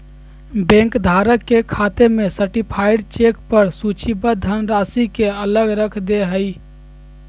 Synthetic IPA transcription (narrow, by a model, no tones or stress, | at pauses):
bẽŋkd̪ʱaɾəkːekʰat̪emesəʈipʰajɖt͡ʃekpəɾsut͡ʃibəd̪ʱənɾasikeələɡɾəkʰd̪eɦəj